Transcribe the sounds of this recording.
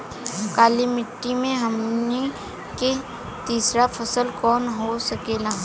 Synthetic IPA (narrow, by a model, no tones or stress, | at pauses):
kaːlimɪʈːimẽɦɐmne | ke | t̪iːsɾafʰɐsəlkɔːnɦosɐkeːlaː